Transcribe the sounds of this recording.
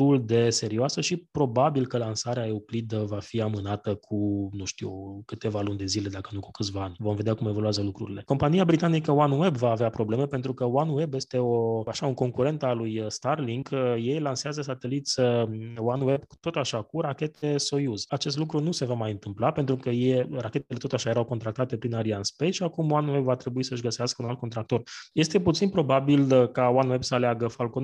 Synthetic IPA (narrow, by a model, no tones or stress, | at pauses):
t̪uld̪e̞se̞ɾioasəʃipɾo̞babilkəlansaɾeaeoplid̪əvafiamɨnat̪əkʰunuʃt̪iwkɨt̪e̞valund̪e̞zile̞d̪akənuku̥kɨt̪sʲvaanʲvo̞mve̞d̪eakume̞voluazəlukɾuɾile̞ko̞mpanijabɾit̪anikəwanwe̞bvaːveapɾo̞ble̞me̞pe̞nt̪ɾukəwanwe̞bje̞st̪e̞o̞aʃauŋko̞ŋkuɾe̞nt̪alujst̪arliŋɡje̞jlanseazəsat̪e̞lit̪sʲəwanwe̞bku̥t̪o̞t̪aʃakuɾakʲe̞t̪e̞so̞juzat͡ʃe̞s̬t̪lukɾunuse̞vamajɨnt̪ɨmplape̞nt̪ɾukəjejrakʲe̞t̪ele̞t̪o̞t̪aʃajeɾawkont̪ɾakt̪at̪e̞pɾinaɾianspejʃiakumwanuwe̞bvat̪ɾe̞buisəɨʃɡəseaskəunal̚kont̪ɾak̚t̪o̞rje̞st̪e̞put̪sinpɾo̞babilkawanwe̞bsəaleaɡəfalkon